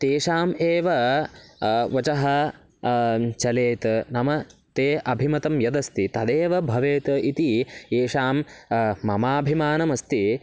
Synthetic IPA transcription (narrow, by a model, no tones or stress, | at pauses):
t̪eːʂaːmeːʋɐ | ʋɐt͡ʃɐɦɐ | t͡ʃɐleːt̪nɐmɐt̪eːʔɐbʱimɐt̪ɐmjɐd̪ɐst̪it̪ɐd̪eːʋɐbʱɐʋeːt̪ɐit̪ieːʂaːmː | ɐmaːbʱimaːnɐmɐst̪i